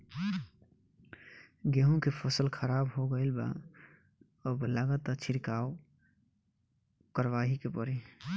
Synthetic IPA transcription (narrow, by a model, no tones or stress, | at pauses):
ɡeɦũkepʰəsəlkʰəɾabɦoɡəɪlba̰ | əblaɡət̪ət͡ʃʰiɾkao | kəɾʋaɦikepəɾi